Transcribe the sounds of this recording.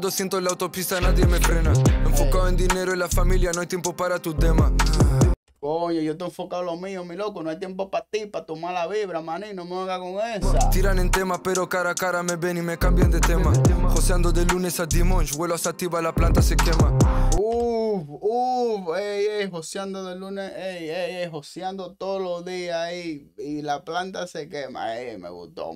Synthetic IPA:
d̪osjent̪olawt̪opist̪anaðjemepɾenaeɱfokawẽnd̪ineɾoelafamiljanõajt̪empopaɾat̪ut̪ema | koɲojot̪oeɱfokaolomĩomilokonõajt̪jempopat̪ipat̪omaɾlaβiβɾamaninõmeaŋɡakoŋesat̪iɾanẽnt̪emapeɾokaɾakaɾameβenimekambjand̪et̪emahosjand̪oðelunesad̪imõnt͡ʃweloasat̪iβalaplant̪asekemaufufejeɦosjand̪oðeluneeejeɦosjand̪ot̪oðolozðiai | ilaplant̪asekema̰ḛmḛɣṵst̪o̰

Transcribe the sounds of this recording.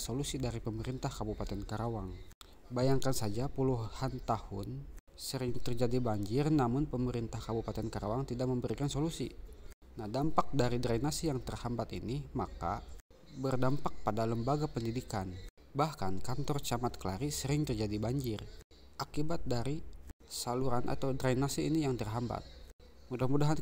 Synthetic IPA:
solusidaɾipəməɾint̪ahkabupat̪ɛnkaɾawaŋ | bajaŋkansad͡ʒapuluhant̪ahʊn | səɾɪŋt̪ərd͡ʒadibaɲd͡ʒɪrnamʊnpəməɾint̪ahkabupat̪ɛnkaɾawaŋt̪idak̚məmbəɾikansolusi | nahdampak̚daɾidɾainasijaŋt̪ərhambat̪ḭnimaka̰ | bərdampak̚padaləmbaɡapəndidikan | bahkankant̪ɔrt͡ʃamat̪̚kəlaɾisəɾɪŋt̪ərd͡ʒadibaɲd͡ʒɪr | ʔakibat̪̚daɾisaluɾanʔa̰t̪awdɾainasiːnijaŋt̪ərɦamba̰t̪̚ | mudahmudaɦan

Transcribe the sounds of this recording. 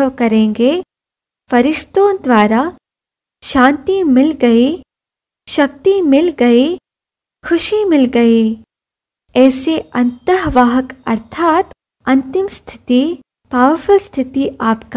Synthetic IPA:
ʋkɐɾẽːŋɡe | fɐɾɪʃt̪õd̪ʋaːɾa | ʃãːnt̪imɪlɡɐi | ʃɐk̚t̪imɪlɡɐi | kʰʊʃimɪlɡɐi | ɛːseɐ̃nt̪əɦʋaːɦəkɐɾt̪ʰaːt̪ | ɐ̃nt̪ɪmst̪ʰɪ̥t̪i | baːʋfʊlst̪ʰɪt̪iʔaːpk

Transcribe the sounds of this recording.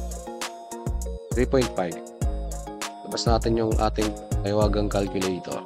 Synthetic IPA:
t̪ɾipojnt̪̚fajv | lɐbasnaːt̪ɪnjʊŋʔa̰ːt̪ɪŋkɐjɪwaːɡɐŋkɐlkʊlɛjt̪o̰

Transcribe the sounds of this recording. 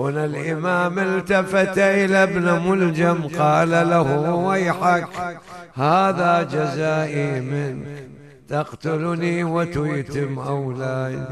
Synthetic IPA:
wɪnɪlʔɪmaːmɪlt̪afat̪aʔɪlabnamʊld͡ʒamqɑːlalahuwajħakhaːðad͡ʒazaːʔimɪnk | t̪ɑqt̪ʊlniwɪt̪ʊjt̪ɪmʔawlaːd̪

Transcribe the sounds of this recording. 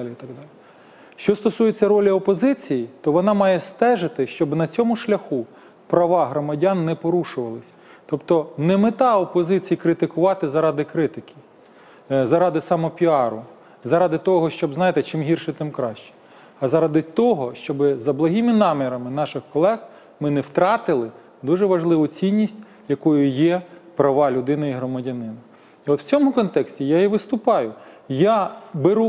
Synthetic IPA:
lʲiit̪ɐɡd̪ɑlʲi | ʃt͡ʃɔst̪ɔsujet͡sʲːɐɾɔlʲiɔpɔzɪt͡sʲijit̪ɔʋɔnɑmɑjɛst̪ɛʒɪt̪ɪʃt͡ʃɔbnɐt͡sʲɔmʊʃlʲɐxu | pɾɐʋɑɦɾɔmɐdʲɑnːɛpɔɾuʃʊʋɐlˠɪsʲ | t̪ɔpt̪ɔnɛmɪt̪ɑɔpɔzɪt͡sʲijikɾɪt̪ɪkʊʋɑt̪ɪzɐɾɑd̪ɪkɾɪt̪ɪkʲi̥ | zɐɾɑd̪ɪsɑmɔpʲiɑɾʊ | zɐɾɑd̪ɪt̪ɔɦɔʃt͡ʃɔbznɑjɪt̪ɛt͡ʃɪmɦʲirʃɛt̪ɪmkɾɑʃt͡ʃɛ̥ | ɐzɐɾɑd̪ɪt̪ɔɦɔʃt͡ʃɔbɪzɐblˠɐɦʲimɪnɑmʲiɾɐmɪnɑʃɪxkɔlˠɛx | mɪnɛwt̪ɾɑt̪ɪlˠɪ | d̪uʒɛʋɐʒlˠɪʋʊt͡sʲinʲːisʲtʲ | jɐkujʊjɛpɾɐʋɑlʲʊd̪ɪnɐiɦɾɔmɐdʲɐnɪnɐ | iɔt̪w̥t͡sʲɔmʊkɔnt̪ɛksʲtʲijaiʋɪst̪ʊpɑjʊjabeɾu

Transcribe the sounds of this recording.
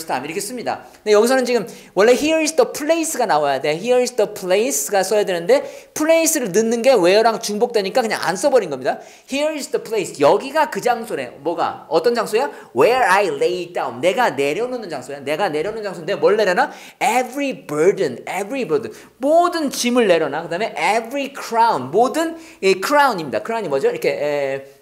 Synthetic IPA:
stʰamiɾʌkʰes͈ɯmɲida̰ | ndejʌɡis̬ʰʌnɯnt͡ɕiɡɯm | wʌɭːe̞çiʌɾisdʌpʰɯɭeis͈ɯɡanawajade̞çiɾisdʌpʰɭeisɯɡasʰʌɦedwenɯnde̞pʰɯɭeis͈ʰɯɾɯɭnɯnːɯnɡe̞we̞ʌɾaŋt͡ɕuŋbok̚t͈weɲik͈akɯɲa̰ŋa̰ns͈ʰʌbʌɾinɡʌmɲida | hiɾisdʌpʰɭeisjʌɡiɡakɯd͡ʑaŋsʰoɾe̞mwʌɡa̰ʌt͈ʌnd͡ʑaŋsʰoja | weɾajlejdawnne̞ɡane̞ɾjʌnonɯnd͡ʑaŋsʰojane̞ɡane̞ɾjʌnɯnd͡ʑaŋsʰondemwʌɭːe̞ɾjʌna | evɾibəɭdɯnebɾibədɯn | modɯnt͡ɕimɯɭːe̞ɾjʌnakɯdame̞ʔevɾikʰɾaunmodɯn | ikʰɯɾauɲimɲidakʰɯɾauɲimʌd͡ʑoiɾʌkʰe̞

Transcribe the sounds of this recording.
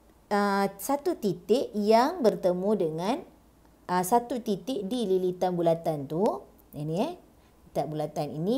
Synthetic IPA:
əsat̪ut̪it̪ɪʔjaŋbərt̪əmũdəŋãn | ʔəsat̪ut̪it̪ɪʔdililit̪anbulat̪ant̪u | ani | lit̪aʔbulat̪anḭnĩ

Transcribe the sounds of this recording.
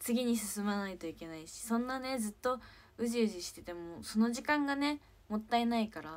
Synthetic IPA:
t͡sɨɡʲiɲ̟isɨsɨmanait̪o̞ike̞naiɕi̥sõ̞nːane̞d͡zɨt̪ːo̞̟ | ʑiɯ̟ʑiɕi̥t̪e̞t̪e̞moso̞no̞ʑikãŋɡane̞ | mo̞t̪ːaenaikaɾa

